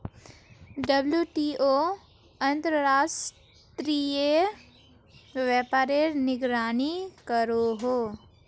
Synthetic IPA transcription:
ɖəbljuʈioː | ɐ̃nt̪ɾəɾaːʃ | ʈt̪ɾie | ʋjɛːpaːɾeɾnɪɡɾaːnikəɾoɦoː

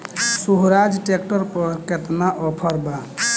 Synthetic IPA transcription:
suɦɾad͡ʒʈek̚ʈəɾpəɾket̪naʔɔpʰəɾba

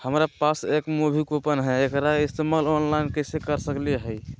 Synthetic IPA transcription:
həmɾapasekmubʱikopənɦɛekɾaist̪emalɔnlainkəsekəɾsəkleɦəj

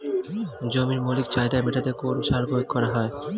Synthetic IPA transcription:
d͡ʑomiɾmolikt͡ɕajd̪ameʈat̪ekoɾʃaɾkooɡ̚kɔɾaɦɔe

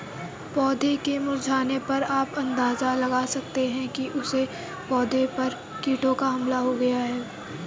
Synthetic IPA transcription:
pɔːd̪ʱekemʊɾd͡ʒʱaːnepɐɾaːpɐ̃nd̪aːzalɐɡaːsɐkt̪eɦɛ̃kiʔʊse | pɔːd̪ʱepɐɾ | kiːʈõkaɦɐmlaɦoɡɐjaɦɛː

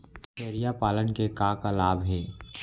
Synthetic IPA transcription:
t͡ʃeːɾijapaːlənkekaːkalaːbʱɦɛː

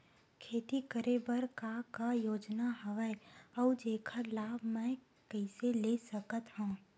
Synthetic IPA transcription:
kʰeːt̪ikəɾebəɾkakajoːd͡ʒnaɦɐʋəeɔwd͡ʒeːkʰəɾlaːbʱmɛ̃ | kɛɪselesəkət̪hãː

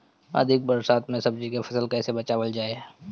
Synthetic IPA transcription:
ɐ̰d̪ʱɪk̚bɐɾsaːt̪mẽsɐbd͡ʒikefʰɐsəlkɛːsebɐt͡ʃaːʋəld͡ʒaːe

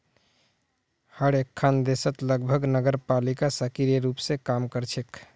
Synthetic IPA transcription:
həɽekʰːand̪esət̪ləɡbʱəɡnəɡəɾpalikasəkiɾjəɾupsẽkamkəɾt͡ʃʰek

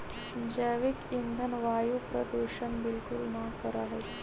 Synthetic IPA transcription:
d͡ʒaʋikind̪ʱənʋaːjupɾəd̪eʃənbɪlkʊlnakəɾaɦɛː

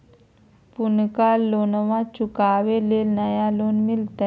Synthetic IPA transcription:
punkaloːnʋãt͡ʃukaʋeleːlnəjaloːnmɪlt̪e

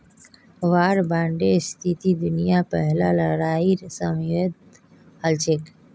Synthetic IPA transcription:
ʋaːɾbãːɳɖest̪ʰit̪id̪ʊnijapɛɦlaləɾaːiɾsəmjed̪ | əlt͡ʃek

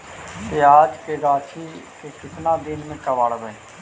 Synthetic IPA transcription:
t̪eːaːd͡ʒkeɾaːt͡ʃʰiːkekɪt̪nãːd̪ɪnmẽːkəʋaːɽbẽː

